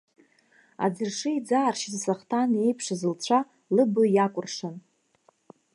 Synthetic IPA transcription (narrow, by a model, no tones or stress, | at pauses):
a̰d͡zɨrʂɨid͡zaːrʃizsaχtʰane̞jpʰʂazɨlt͡ɕʷʰa | lɨbɨjakʷʼʊrʂan